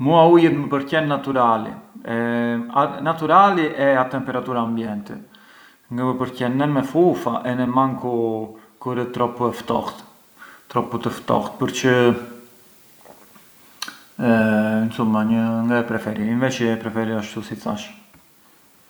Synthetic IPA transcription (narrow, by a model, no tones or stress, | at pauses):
muaujɛt̪məpəɾcɛnːat̪uɾalḭɛanat̪uɾaliʔɛat̪ɛmpɛɾat̪uɾaːmbjɛnt̪ɛ | ŋɡaməpəɾcɛnːɛnmɛfufaʔɛnɛmaŋku | kuɾət̪ɾɔpɛft̪ɔ̰xt̪ | t̪ɾɔput̪əft̪ɔ̰xt̪̚pəɾt͡ʃə | nsulˠmaɲəŋɡaɛpɾɛfɛɾiinvɛt͡ʃipɾɛfɛɾiaʃt̪usit͡sa̰ʃ